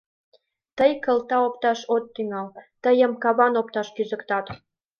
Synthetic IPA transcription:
t̪əjkəlt̪ɑopt̪ɑʃot̪ːyŋɑlt̪əjəmkɑβɑnopt̪ɑʃkyzə̆kt̪ɑt̪

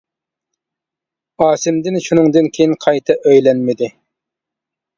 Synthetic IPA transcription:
ɑːsɪmd̪ɪnʃunɨŋd̪ɨnkʲʰejinqʰɑjt̪ʰɨʔøjlɛnmɪd̪ɪ

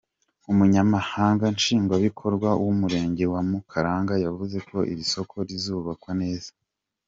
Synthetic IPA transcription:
umuɲamahaːŋɡanʃiːŋɡwaβikʰo̞ɾɡwawumuɾe̞ːɲɟe̞wamukʰaɾaːŋɡajavuze̞kʰo̞ʔḭɾiso̞kʰo̞ɾizuːβakwane̞ːz̥ḁ

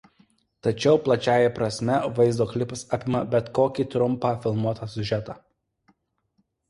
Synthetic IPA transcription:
t̪ɐt͡ʃʲɛʊplˠɐt͡ʃʲæːjɛpɾɐsʲmʲɛʋɐɪzd̪oːklʲɪpɐsɑːpʲɪmɐbʲɛt̪koːkʲiːt̪ɾʊmpɑfʲɪlˠmuɔt̪ɑsʲʊʒʲɛt̪ɑː

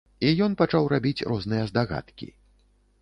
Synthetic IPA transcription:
ijɔnpat͡ʂawrabʲit͡sʲrɔznɨjɐzd̪aɣa̰t̪kʲḭ

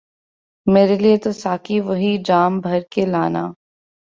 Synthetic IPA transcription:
meːɾeliet̪osaːkiʋɐɦid͡ʒaːmbʱɐɾkelaːna̰ː

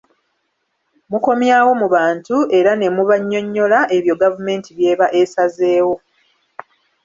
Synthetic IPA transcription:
muko̞mjaːwo̞muβaːntue̞ɾane̞muβaɲːo̞ɲːo̞laʔe̞βjo̞ɡavume̞ːntiβje̞ːβaʔesaze̞ːwo̞

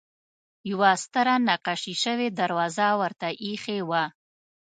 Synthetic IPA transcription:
jawast̪əɾanaqaʃiʃəwed̪aɾwɑzawəɾt̪aʔixewa

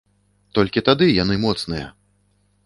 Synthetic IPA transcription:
t̪ɔlʲkʲit̪ad̪ɨjanɨmɔt̪snɨjɐ̰

